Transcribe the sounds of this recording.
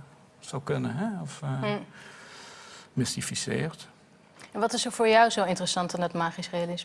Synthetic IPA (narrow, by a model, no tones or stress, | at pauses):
sowkɵnəɦɛɔf | mɪstifisɪ̰ːrt | ɛnʋɑtɪsofʊːɹjɔwzowɪntərəsɑntɑndətmaːχisrealɪs